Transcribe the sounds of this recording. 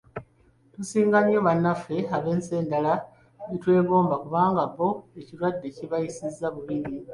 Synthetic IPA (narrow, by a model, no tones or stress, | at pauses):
tusiːŋɡaɲːo̞βanːafe̞aβe̞ːnse̞ːndala | itwe̞ːɡo̞ːmbakuβaːŋɡaβːo̞eciɾwadːe̞ciβajisizːaβuβiɾi